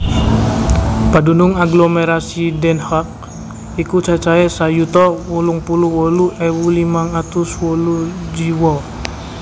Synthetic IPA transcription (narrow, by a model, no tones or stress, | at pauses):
padunuŋaɡlomɛɾasidɛnhak̚ | ikut͡ʃat͡ʃaɛsajut̪ɔwuluŋpuluwɔluʔɛwulimaŋat̪uswɔlu | d͡ʒiwɔ